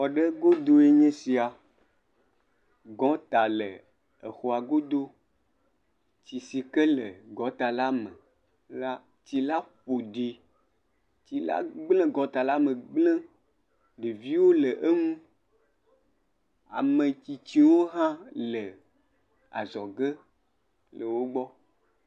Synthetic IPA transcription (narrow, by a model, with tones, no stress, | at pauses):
wɔ˨ɖə˦ɡo˦d̪o˦e˦ɲẽ˦si˨a˨ | ɡɔ̃˨˦t̪a˨lə˨ | e˨xo˨a˨ɡo˦d̪o˦ | t͡ɕi˨si˨kə˦lə˨ɡɔ̃˨˦t̪a˨la˦mə̃˨ | la˦ | t͡ɕi˨la˦ɸo˨ɖi˨ | t͡ɕi˨la̰˦ɡ͡blɛ̃˦ɡɔ̃˨˦t̪a˨la˦mə̃˨ɡ͡blɛ̃˦ | ɖe˨vi˦wo˦lə˨ʔe˦ŋũ˦ | a̰˨mẽ˨t͡ɕi˨t͡ɕi˨wo˦ɦã˦lə˨ | a̰˨zɔ˨ɡe˦ | lə˨wo˦ɡ͡bɔ˦